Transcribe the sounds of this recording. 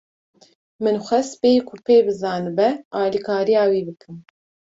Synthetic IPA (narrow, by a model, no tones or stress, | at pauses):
mɨnxʷɛsbeːkʰʊpʰeːbɨzɑːnɨbɛɑːlikʰɑːɾijɑːwiːbɨkʰɨm